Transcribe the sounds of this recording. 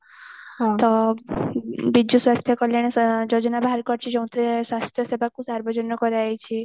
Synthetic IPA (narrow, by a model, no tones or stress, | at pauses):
t̪ɔ | bid͡ʒuswast̪ʰjɔkɔljaɽ̃ed͡ʒod͡ʒɔnabʱaɦɾkɔɾt͡ʃʰid͡ʒɔ̃w̃t̪ʰɾeswast̪ʰjɔsebʱakusaɾbɔd͡ʒɔnɔkɔɾajt͡ʃʰi